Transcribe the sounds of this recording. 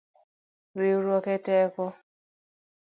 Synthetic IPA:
ɾiɾɔketɛkɔ

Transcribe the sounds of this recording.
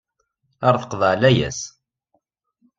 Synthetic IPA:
aɾθə̥qðˤəʕlæjæ̰s

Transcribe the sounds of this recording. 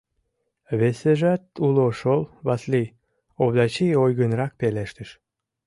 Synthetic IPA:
βeseʒæt̪uloʃolˠβɑslij | oβd̪ɑt͡ɕijojɣənɾɑk̚peleʃt̪əʃ

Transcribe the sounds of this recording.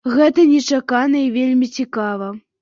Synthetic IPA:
ɣɛt̪ɐnʲɛt͡ʂakanɐivʲelʲmʲit͡sʲikavɐ

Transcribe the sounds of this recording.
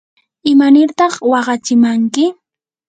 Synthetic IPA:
ɪmanɪɾt̪ɑχwɑɢɑt͡ʃɪmaŋkɪ

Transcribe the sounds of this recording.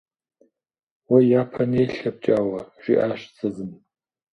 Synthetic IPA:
wajapʰanejɬap̚t͡ʃʼaːwaʒ̥iʔaʃt͡sʰʼazɨm

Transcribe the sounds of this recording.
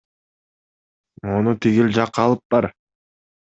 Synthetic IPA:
o̞nut̪ʰiɡild͡ʒɑqɑlˠɯp̚b̥ɑɾ

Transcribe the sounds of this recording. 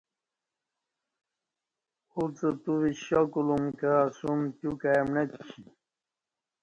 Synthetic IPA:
ut͡sət̪uwiɕakulumkasumt̪jukajamnet̪kʰi

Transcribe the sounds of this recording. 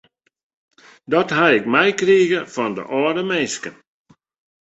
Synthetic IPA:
dɔtɦaɪk̚mɛjkriəɣəfɔndə̰ʔɔːɾəmeskən

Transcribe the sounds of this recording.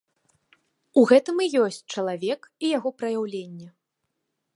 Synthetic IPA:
uɣɛt̪ɨmijɔsʲt͡sʲt͡ʂɐlˠavʲɛkijaɣɔpɾɐjawlʲenʲːɛ

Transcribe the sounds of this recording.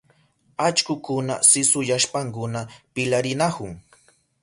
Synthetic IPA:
at͡ʃkʊkʊna̰sɪsʊjaʃpaŋkʊnapɪlaɾɪnahʊŋ

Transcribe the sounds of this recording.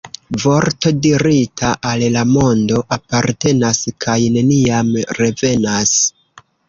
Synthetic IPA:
vo̞ɾto̞diɾitʰaʔallamo̞ndo̞ʔapaɾte̞naskʰajne̞niamɾe̞ve̞nas

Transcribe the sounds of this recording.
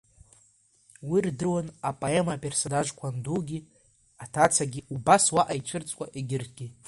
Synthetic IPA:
wirdɨwanapʼoemapʼe̞rsonaʒkʷʰanduɡʲi | atʰat͡sʰaɡʲiubaswaʔajt͡ʃʷʰɨrt͡sʷʼkʼaʔeɡʲɪrtʰɡ̥ʲi

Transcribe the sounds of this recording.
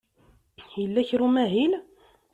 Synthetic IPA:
jəlːæçɾumæɦil

